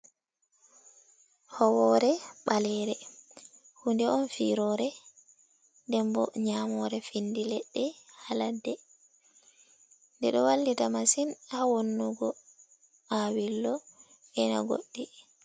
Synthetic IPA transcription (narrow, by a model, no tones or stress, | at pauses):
hɔwɔɾɛɓalɛɾɛ | hundɛɔnfiɾɔɾɛ | dɛmbɔ̰ɲamɔɾɛfindilɛɗːɛhaladːɛ | ndɛɗɔwalːitamasinhawonːuɡɔ | ʔawilːɔ | ɛna̰ɡo̰ɗːi